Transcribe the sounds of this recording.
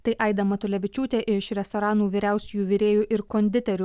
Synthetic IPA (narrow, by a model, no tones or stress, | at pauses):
t̪ɐɪʔɐɪd̪ɐmɐt̪ʊlʲɛʋʲɪt͡ʃʲuːt̪ʲeːʔɪʃɾʲɛst̪ɔɾɑːnuːʋʲiːɾʲæʊsʲʊjuːʋʲɪɾʲeːjuʔɪɾkoːnʲd̪ʲɪt̪ʲɛɾʲʊ